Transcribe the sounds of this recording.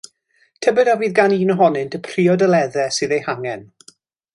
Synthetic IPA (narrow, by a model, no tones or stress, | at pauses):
tʰɛbɛdaviːðɡaniːnəɦɔnɨntʰəpʰriɔdəlɛðɛsɨðejhaŋɛn